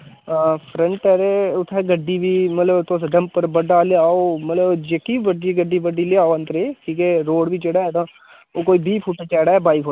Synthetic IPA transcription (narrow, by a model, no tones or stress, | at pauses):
pʰɾə̃ɳʈɛɾeʊt̪ʰːɛːɡəɖːiːbiːmət̪ləbt̪osɖəmpːəɾbəɖaːleaːoːmət̪ləbd͡ʒekiːʋəɖiɡəɖiːbəɖiːleaːoə̃nt̪əɾeːkiːkeɾoːɽbʱiːt͡ʃeɽaːt̪ãː | oːkoːiːbiːpʰuːʈẽːt͡ʃɛːɽaːɛbaːipʰo